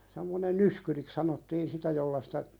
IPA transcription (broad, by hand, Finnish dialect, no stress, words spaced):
semːonen nyskyriks sɑnotːiːn sitæ jolːɑ si̥tæ